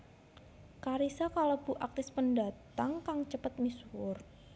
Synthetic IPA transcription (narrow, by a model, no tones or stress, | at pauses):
kaɾisakaləb̥uʔak̚t̪ɪspəndat̪aŋkaŋt͡ʃəpət̪̚miswʊr